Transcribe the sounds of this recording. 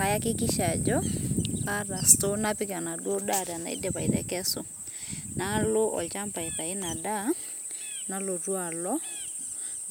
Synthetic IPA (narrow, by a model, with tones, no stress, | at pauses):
a˨ja˦kɪ˦kɪ˦ʃa˨d͡ʒɔ˦ka˦ɾa˨sto˦na˦pɪ˦ka˨na˨dɔ˦da˦˨ɾa˨na̰˨ḭ˦dɛ˨pa˨i˨ɾɛ̰˨kɛ˦so˨ | na˦lo˦ʔɔ̰˨t͡ʃa˦mpa˨ɪ˨ta˨ɪ˦na˨da˦ | na˦lo˨rwa˨lɔ˦